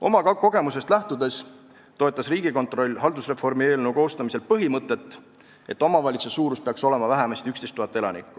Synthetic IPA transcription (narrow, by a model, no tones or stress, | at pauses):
o̞̰mɑkɑko̞ɡ̥e̞muse̞st̪læht̪ud̪e̞s | t̪o̞et̪ˑːɑsriːɡ̥iko̞nt̪ro̞lʲːɦɑld̪usre̞fo̞rmie̞ːlne̞uko̞ːst̪ɑmise̞lpɤɦimɤt̪ːˑe̞t̪ːˑ | e̞t̪ːˑo̞mɑvɑlʲit̪sesuːɾuspe̞ɑkso̞le̞mɑvæɦæmɑst̪iykst̪est̪ːˑuhɑt̪ːˑe̞lɑ̰nḭkːˑu̥